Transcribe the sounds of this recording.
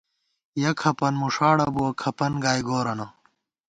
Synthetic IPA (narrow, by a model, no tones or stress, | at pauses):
jɐkʰɐpɐnmuʂaːɽɐbuwɐkʰɐpɐnɡaːjɡoːɾɐnɐ